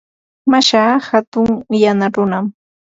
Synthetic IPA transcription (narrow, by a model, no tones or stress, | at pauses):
maʃaːxat̪ʊŋjanaɾʊnam